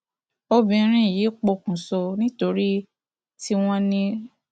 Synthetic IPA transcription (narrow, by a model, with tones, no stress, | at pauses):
o˧bĩ˧˦ɾ̃ĩ˦˨ji˨˦k͡po˧kũ˨so˧nĩ˦to˧ɾi˦ | ti˦w̃ɔ̃˦nĩ˧